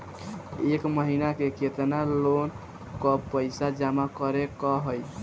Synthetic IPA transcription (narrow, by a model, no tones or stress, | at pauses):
ekməɦinakeket̪nalon | kɔpəjsad͡ʒamakəɾekɔɦəj